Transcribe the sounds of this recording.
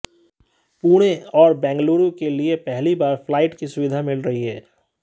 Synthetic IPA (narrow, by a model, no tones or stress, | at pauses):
puːɽ̃ẽɔːɾbɛ̃ːŋɡluːɾõkeliepɛɦlibaːɾflaːɪʈkisʊʋɪd̪ʱamɪlɾɐɦiɦɛː